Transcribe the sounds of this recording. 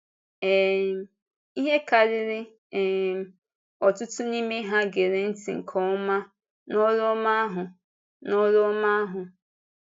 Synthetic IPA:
ɛ˨ | i˦ɦe˦ka˨ɾɪ˦ɾɪ˦ | ɛ˨ | ɔ˨tʊ˦tʊ˦ni˦me˦ɦa˦ɡe˨ɾe˨n̩˦tḭ˨ŋ̩˨kʰɔ˨ʊ˦ma˦ | nɔ˦ɾo˦ma˦a˦ɦʊ˨ | nɔ˦ɾo˦ma˦ɦʊ˨

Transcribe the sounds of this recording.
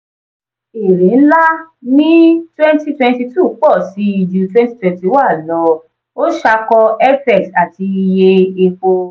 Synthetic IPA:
e˨ɾẽ˨˦n̩˦la˦nĩ˦twɛ̃˦n˦ti˦twɛ̃˧nti˧tu˦˨˦k͡pɔ˦˨si˨˦i˧d͡ʒu˧twɛ̃˦n˦ti˦twɛ̃˧nti˧˦wa˦˨lɔ˧˦ | o˦ʃa˧kɔ˧ɛ˦fɛ˦˨sa˨ti˧i˧je˧e˧k͡po˧

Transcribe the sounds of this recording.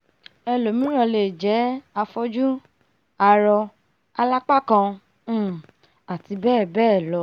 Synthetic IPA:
ɛ˧lo˨mĩ˨˦ɾ̃ɔ̃˧˨le˨d͡ʒɛ˨˦a˧fɔ˦d͡ʒu˦ | a˧ɾɔ˧ | a˧la˦k͡pa˦kã˧˦˨ | a˨ti˧bɛː˦˨bɛː˦˨lɔ˧˦

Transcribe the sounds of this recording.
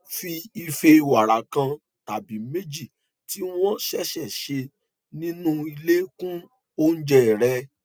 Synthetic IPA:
fi˧i˧fe˧wa˨ɾa˨kã˧ | ta˨bi˨˦me˦d͡ʒi˦˨ | ti˦w̃ɔ̃˦ʃɛ˦ʃɛ˦˨ʃe˧ | nĩ˦nũ˦i˧le˦kũ˦ | o˦n̩˦d͡ʒɛ˦˨ɾɛ˧

